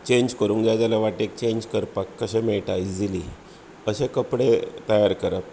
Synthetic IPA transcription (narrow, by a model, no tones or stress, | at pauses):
t͡ɕeɲd͡ʑkəɾũŋd͡ʑjad͡ʑalaʋaʈek̚t͡ɕeɲd͡ʑkəɾpakːəɕẽmeɭʈajid͡zili | əɕekəpɽet̪əjaɾkəɾət̪